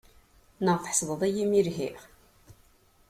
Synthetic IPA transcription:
nəʁθə̥ħsˤðˤəðˤæjimiɾɦiʁ

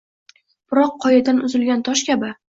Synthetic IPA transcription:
b̥ɪɾɒqʰːɒjad̪anʊzɪlɡʲant̪ʰɒʃkʲabɪ

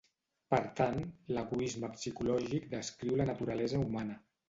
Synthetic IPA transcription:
pəɾt̪anləɣuizməpsikulɔʒikd̪əskɾiwlənət̪uɾalɛzəumanə

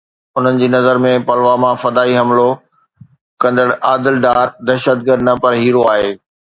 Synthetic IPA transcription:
ʊn̤ənɪ̆d͡ʑeːnɐzəɾmẽpɐlʋamãfɐd̪aːiɦɐmlo | kɐ̃nd̪əɽʔaːd̪ɪlɖaːɾd̪ɐɾʃət̪̚ɡəd̪nɐpɐɾɦiːɾoaːɦeː

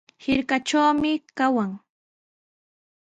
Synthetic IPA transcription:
hɪɾkaʈ͡ʂawmɪkawaŋ

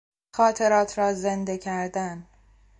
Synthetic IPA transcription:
xɒːt̪ʰe̞ɾɒːt̪ʰɾɒːzend̪e̞kʰæɾd̪æn

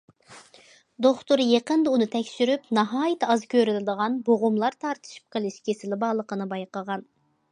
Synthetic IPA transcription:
d̪oχt̪uɾjeqənd̪əunɨt̪ʰɛkʲʃyɾypnɨɦɑːjit̪ʰɑzkʲʰøɾɪlɪd̪əʁɑnboʁʊmlˠɑɾt̪ʰɑɾt̪ʰɨ̥ʃi̥p̚qʰəlˠɪʃkʲʰesɪlɪbɑːlˠəqʰənɨbɑjqəʁɑn

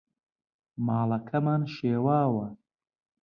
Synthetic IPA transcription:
maːlɐkʰɐmaːnʃeːwaːwɐ

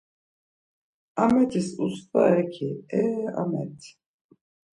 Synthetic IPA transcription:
amɛt̪ʰisust̪a̰ɛkʰiɛa̰mɛ̰t̪ʰi̥

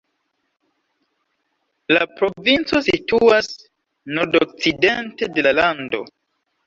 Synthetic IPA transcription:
lapɾo̞vint͡so̞situas | noɾdok̚t͡side̞nte̞de̞lalando̞̰

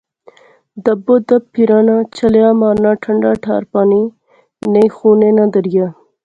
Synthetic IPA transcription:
d̪ɐbod̪ɐpʰːiɾaːnat͡ʃʰɐlejaːmɑːɾnaʈʰəɳɖaːʈʰa̰ːɾpaːni | nejxunenad̪əɾja

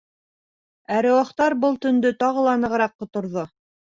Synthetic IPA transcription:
æɾɘ̆wɑχt̪ɑɾbɤlˠt̪ɵ̆nd̪ɵt̪ɑʁɤ̆lˠɑnɤ̆ʁɤ̆ɾɑqːŏt̪ŏɾðo

